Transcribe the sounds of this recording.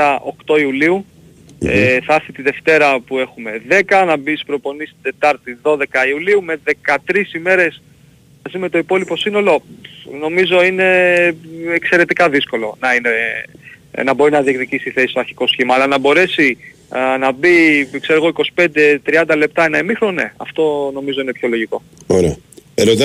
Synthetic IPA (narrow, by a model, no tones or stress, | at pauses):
ɐʔo̞kt̪o̞iuliu | eθɐɾθit̪iðe̞ft̪e̞ɾɐpue̞xume̞ðe̞kɐnɐbispɾo̞po̞nist̪id̪e̞t̪ɐɾt̪iðo̞ðe̞kɐiuliume̞ðe̞kɐt̪ɾisime̞ɾe̞s | mɐzime̞t̪o̞ipo̞lipo̞sino̞lo̞no̞mizo̞ine̞ | ekse̞ɾe̞t̪ikɐðisko̞lo̞nɐine | nɐbo̞ɾinɐðie̞kðicisiiθe̞siso̞ɐɾçi̥ko̞sçimɐːlɐnɐbo̞ɾe̞si | nɐbikseɾoɣo̞iko̞si̥pe̞nd̪e̞t̪ɾiɐnd̪ɐle̞p̚t̪ɐenɐemixɾone̞̰ɐ̰ft̪o̞no̞mizo̞ine̞pço̞lo̞ʝiko̞ | oɾeɐeɾot̪